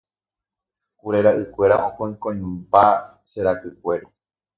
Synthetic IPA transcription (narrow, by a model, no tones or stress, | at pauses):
kuɾeɾaʔɨkʷe̞ɾaʔõkõj̃kõɲũmpa | ʃeɾakɨkʷe̞ɾu